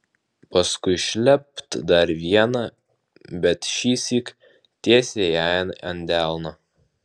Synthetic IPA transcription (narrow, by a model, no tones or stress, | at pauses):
pɐskʊɪʃʲlʲɛp̚t̪d̪ɐɾʋʲiɛnɑ | bʲɛt̪ʃʲiːsʲiːk | t̪ʲiɛsʲejæːnɐnʲd̪ʲæˑlˠno